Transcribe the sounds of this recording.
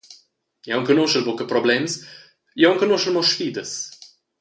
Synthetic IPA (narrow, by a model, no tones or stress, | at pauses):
jawŋkənoʃəlbokəpɾɔblɛms | jawŋkənoʃəlmɔʃfiːd̪əs